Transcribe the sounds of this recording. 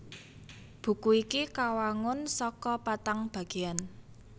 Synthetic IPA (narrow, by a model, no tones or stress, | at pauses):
b̥ṳkuikikawaŋʊnsɔkɔpat̪aŋb̥a̤ɡ̥ean